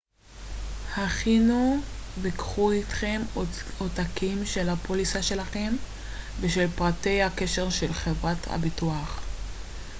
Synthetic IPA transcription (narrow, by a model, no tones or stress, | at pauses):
haχinuvikχuitχe̞motakimʃe̞lhapolisaʃe̞laχe̞m | veʃe̞lpʁate̞jhake̞ʃe̞ʁʃelχevʁatʰha̰bituaχ